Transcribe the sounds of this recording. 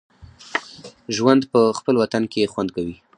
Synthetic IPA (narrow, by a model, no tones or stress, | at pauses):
ʒwand̪pəxpəlwat̪ankexwand̪kawi